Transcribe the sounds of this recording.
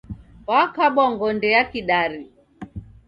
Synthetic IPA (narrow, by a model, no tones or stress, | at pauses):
wakaɓaŋɡɔndɛjakiɗaɾi